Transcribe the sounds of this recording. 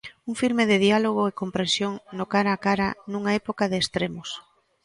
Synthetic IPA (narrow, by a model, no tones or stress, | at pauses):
uŋfiɾmɪðɪðialoɣ̞oekompɾẽnsjoŋnokaɾaːkaɾa̰nũŋaɛpokaðɪːst̪ɾemʊs